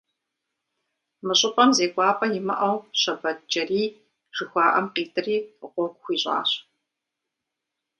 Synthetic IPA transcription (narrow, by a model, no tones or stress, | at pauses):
mɨɕʼʊpʼɐmzeːkʷʼɑːpʼɐjɪmɐ̰ʔɐwɕɐbɐt͡ʃɐriː | ʒ̥ɨxʷɑːʔɐmqiːtʰʼɨriːʁʷɔɡʷxʷiːɕʼɑ̰ːɕ